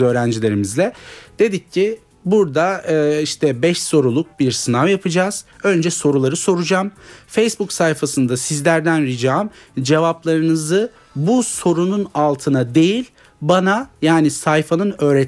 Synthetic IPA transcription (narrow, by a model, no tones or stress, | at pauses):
ø̞ːɾænd͡ʒilʲe̞ɾimizlʲɛd̪̥e̞d̪icʰːi | buɾd̪aːiʃt̪ʰɛbɛʃso̞ɾulˠuk̚biɾsɯnavjapʰɯd͡ʒaːz̥ø̞nd͡ʒɛso̞ɾulˠaɾɯso̞ɾud͡ʒamfejsbuksajfasɯnd̪asizlʲæɾd̪ænɾid͡ʒamd͡ʒe̞vaplˠaɾɯnɯzɯ | buso̞ɾununalˠt̪ʰɯnad̪e̞jilʲ | banajaːnisajfanɯnø̞ːɾɛ